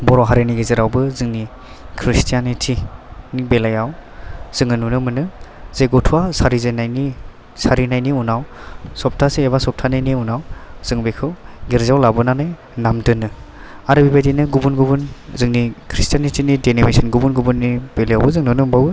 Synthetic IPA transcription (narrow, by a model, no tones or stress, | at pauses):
bɔɾɔɦaɾeniɡeziɾawbɯzɯŋni | kʰɾistʰijanitʰinibelajawz̥ɯŋɯnunɯmɯnɯz̥ejɡɔtʰuwasaɾizenajni | saɾinajniunawsɔp̚tʰaseːbasɔp̚tʰanajniunawz̥ɯŋbekʰɯwɡiɾzawlabɯnanɯj | namdɯnɯ | aɾɯbibajdinɯɡubunɡubunzɯŋnikʰɾistijanitʰinidenimisɯnɡubunɡubunːib̥elejawbɯzɯŋnunɯmbawbɯ